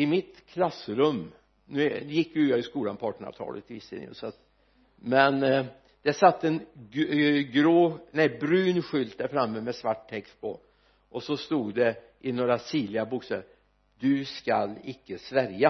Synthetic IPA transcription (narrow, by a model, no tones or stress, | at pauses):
ɪmɪt̪kʰlasːɾɵmː | nʉjɪkːjʉːœɾɪskuːlanpʰɑːʈəɳ̩ɑ̰ːvt̪ʰɑ̰ːlə̰t̪ʰːɪɪsɪ̰ːn̰ə̰sɔat̪ | mɛn | d̪̥ɛsat̪ːɛn | ɡɾoːnæbɾʉːnɧʏlt̪̚d̪æɾfɾamːəmɛsvaʈt̪ʰɛkst̪̚pʰɔ | ʔɔsɔst̪uːd̪ɛ | ʔɪnoːɾasiːlɪɡabuːkst̪ɛ | d̪ɵska̰lɪkːəsvæɾja